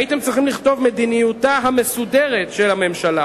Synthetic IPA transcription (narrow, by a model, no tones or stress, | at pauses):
ite̞mt͡sʁiχimliχt̪o̞vme̞d̪inijutaɦame̞sudeʁetʃelhame̞mʃala